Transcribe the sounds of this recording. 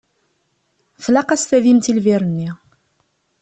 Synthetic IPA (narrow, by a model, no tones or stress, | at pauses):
flɑqɑsθæðimt̪ilviɾənːi